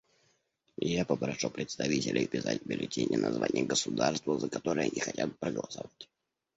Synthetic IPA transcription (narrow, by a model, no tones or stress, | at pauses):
japəpɾɐʂupɾʲɪt̪st̪ɐvʲitʲɪlʲɪpʲɪsa̰tʲbʲɪlʲɪtʲenʲɪ̰jənʔɐzva̰nʲɪjəɡəsʊd̪arst̪vəzəkɐt̪o̞ɾəjənʲɪxɐtʲat̪̚pɾəɡəlˠəsɐvatʲ